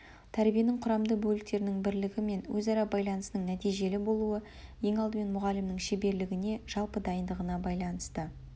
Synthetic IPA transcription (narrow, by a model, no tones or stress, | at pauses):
t̪ʰæɾbije̞nɪɴqʰʊɾɑmd̪əbɵlɪk̚t̪e̞ɾɪnɪŋbɪɾlɪɡʲɪme̞nwɵzɑɾɑbɑjlˠɑnəsnəɴnæt̪ijʒe̞lɪbo̞lˠuə | je̞ŋɑlˠd̪əme̞nmʊʁɑlɪmnɪŋʃebe̞ɾlɪɡʲɪne̞ʒ̥ɑlˠpəd̪ɑjənd̪əʁənɑbɑjlˠɑnəst̪ə